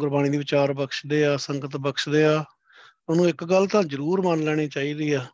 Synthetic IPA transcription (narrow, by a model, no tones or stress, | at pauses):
ɡʊɾbaːɽ̃iːd̪iːʋɪt͡ʃaːɾbəkʃd̪eːaːsəŋɡət̪bəkʃd̪eːaː | ʊnũːɪkɡəlːt̪ãːd͡ʒəɾuːɾmənlɛːɽ̃iːt͡ʃaːiːɾəiːaː